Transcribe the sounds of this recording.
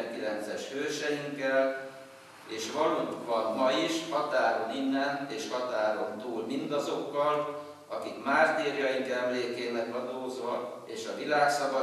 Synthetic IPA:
ŋkilɛnt̪sɛʃhøːrʃɛjiŋkːɛl | eːʃʋɒluŋkvɒnmɒiʃhɒt̪aːɾo̞ninːɛneːʃhɒt̪aːɾo̞nt̪uːlmind̪ɒzo̞kːɒl | ɒkikmaːrt̪eːɾijɒjiŋkɛmleːkeːmɛɡʋɒd̪oːzol | eːʃɒvilaːksɒvɒ

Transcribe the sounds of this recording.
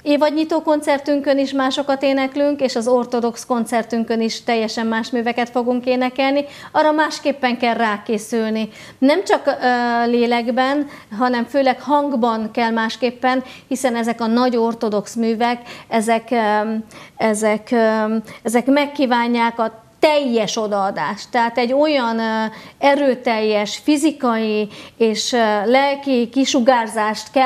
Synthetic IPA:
eːvɒɟɲit̪oːko̞nt̪sɛrt̪yŋkø̞niʃmaːʃo̞kɒt̪eːnɛklyŋkeːʃɒzo̞rt̪o̞d̪o̞ksko̞nt̪sɛrt̪yŋkøniʃt̪ɛjːɛʃɛmːaːʃmyːvɛkɛt̪fo̞ɡuŋkeːnɛkɛlniɒrɒmaːʃkeːpːɛŋkɛlraːkeːsylni | nɛmt͡ʃɒkːleːlɛɡbɛn | ɦɒnɛɱføːlɛkhɒŋɡbɒŋkɛlmaːʃkeːpːɛnhisɛnɛzɛkɒnɒɟo̞rt̪o̞d̪o̞ksmyːvɛkɛzɛk | ɛzɛk | ɛzɛkmɛkːiːvaːɲːaːkɒt̪ɛjːɛʃo̞d̪ɒːd̪aːʃt̪ːɛɦaːt̪ɛɟːo̞jɒnɛɾøːt̪ɛjːɛʃfizikɒjieːʃlɛlkikiʃuɡaːrzaːʃt̪kɛ

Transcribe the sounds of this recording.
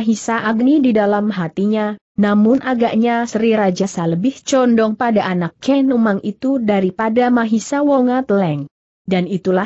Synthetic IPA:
aɦisaʔaɡnididalamɦat̪iɲa | namʊnʔaɡaʔɲasəɾiɾad͡ʒasaləbɪht͡ʃɔndɔŋpadaʔanakːɛnumaŋit̪udaɾipadamaɦisawɔŋat̪əlɛŋ | danit̪ula

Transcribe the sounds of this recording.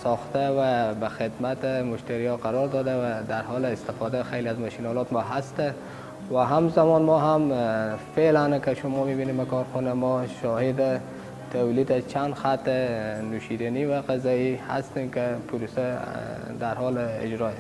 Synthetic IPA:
sɔxt̪awabaxɪd̪mat̪ɪmʊʃt̪aɾijɔqaɾɔɾd̪ɔd̪awad̪aɾɦɔlɪɪst̪ɪfɔd̪axejliazmaʃinɔlɔt̪mɔɦast̪a | waɦamzamɔnmɔɦamfelankəʃʊmɔmibinembakɔɾxunamɔʃɔhed̪ɪ | t̪ʰawlid̪at͡ʃʰand̪xat̪ɪnuʃid̪aniwaqazɔiha̰st̪emkɪpʰuɾusad̪aɾɦɔlɪ̰d͡ʒɾɔes

